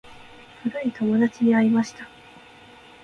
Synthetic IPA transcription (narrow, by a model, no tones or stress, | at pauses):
fɯɾait̪o̞mo̞d̪at͡ɕid̪iaɾʲimaɕi̥t̪ḁ